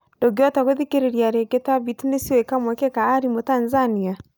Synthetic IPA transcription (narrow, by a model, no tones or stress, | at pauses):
doɡjataɣoðikeɾeɾiaɾeɡetaβitinesiwekamwɛkekaːɾimotanzania